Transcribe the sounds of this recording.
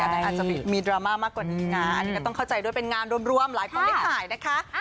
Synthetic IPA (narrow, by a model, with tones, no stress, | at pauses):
tʰːʔaː˨˩t͡ɕa˨pi˨˩miː˧dɾaː˧maː˥˩maː˥˩kːwaː˨˩niː˦˥na˦˧˥a˧nːiː˧˦˥kɔ˥˩t̪ɔ˥˩kʰwt͡ɕa˧jdu˥˩əjpe˧nŋaː˧nɾu˧əmɾu˧əmlaː˨˩˦jpʰi˧˩le˦˥k̚aaː˨˩jna˦˥kʰa˦˥